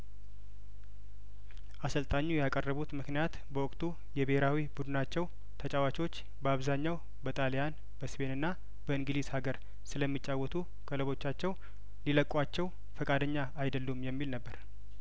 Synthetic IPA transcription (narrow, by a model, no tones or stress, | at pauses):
ʔasəlt̪ʼaɲːujɛakʼərːəβut̪mɨknijat̪bəwɔkʼt̪ʰʼu | jɛbeheɾawibud̪ɨnat͡ʃːɛw | t̪ʰət͡ʃʼawat͡ʃot͡ʃː | bəaβzaɲːaw | bət̪ʼalijan | b̥əspe̞nɨnːa | b̥əɨŋɡɨlishaɡəɾ | sɨləmːit͡ʃʼːawːɔt̪ʰu | ɡʼələβo̞t͡ʃːat͡ʃːɛw | liləkʼːwat͡ʃːɛw | fəkʼad̪əɲːaːjd̪əlːumjɛmːilnəbːəɾ